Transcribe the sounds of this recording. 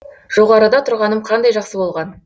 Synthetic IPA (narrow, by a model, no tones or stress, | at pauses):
ʒ̥o̞ʁɑɾəd̪ɑt̪ʰʊɾʁɑnəmqʰɑnd̪ɑjʒɑqsəbo̞lˠʁɑn